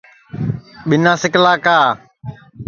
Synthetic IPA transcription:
ɓɪnaːsɪklaːkaː

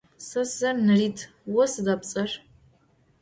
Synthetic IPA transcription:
sɐsɐmnɨriːtʰ | wɔsɨdapt͡sʼɐr

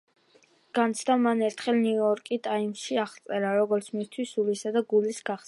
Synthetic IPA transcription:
ɡ̥ant̪sʰd̪amanɛɾt̪ʰχɛlnuɔɾkʼit̪ʼaimsʃiaχt̪sʼɛɾaɾɔɡɔɾt̪sʰmist̪ʰwisulisad̪aɡulisɡaχs

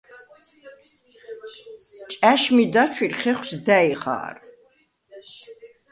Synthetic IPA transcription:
t͡ʃʼæʃmid̪at͡ʃʰwiɾχɛχʷsd̪æiχa̰ːɾ

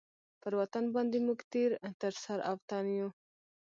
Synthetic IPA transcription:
pəɾwat̪anbɑnd̪emuɡt̪eɾt̪əɾsaɾaft̪ɑnju

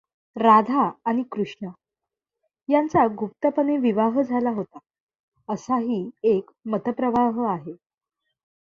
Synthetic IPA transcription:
ɾad̪ʱaːɽ̃ikɾuʂɳə | jant͡saɡup̚t̪əpəneʋiʋaɦd͡zʱalaɦot̪a | əsaɦiːek | mət̪əpɾəʋaɦəaɦe

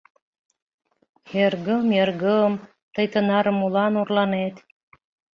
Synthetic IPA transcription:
erɡəmjerɡəm | t̪ɤ̆jt̪ɤ̆nɑɾɤmulɑnurlɑnet̪

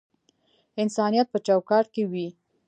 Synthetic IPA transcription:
ɪnsɑnijat̪̚pət͡ʃɑwkɑɾʈ̚kewi

